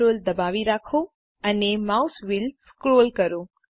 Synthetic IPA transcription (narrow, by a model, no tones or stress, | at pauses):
old̪əbaʋiɾakʰo | ənemausʋɪlskɾolkəɾõ